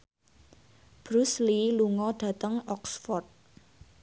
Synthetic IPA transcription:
b̥ɾusliluŋɔɖ̥ä̤t̪əŋɔksfɔrt̪̚

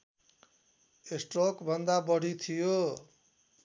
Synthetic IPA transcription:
esʈrokbʱʌnd̪abʌɽ̤ʱit̪ʰijo

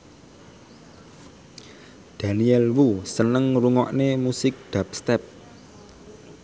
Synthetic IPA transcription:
d̪̥a̤niɛlwusənəŋruŋɔ̰ʔnemusɪk̚ɖ̪̥ap̚st̪ɛp̚

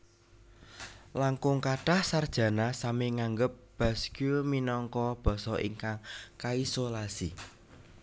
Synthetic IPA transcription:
laŋkʊŋkaɖ̥ahsard̥ʒ̥ä̤nasamiŋaŋɡəp̚b̥a̤skjuminɔŋkɔb̥ɔ̤sɔʔḭŋkaŋkaisolasḭ

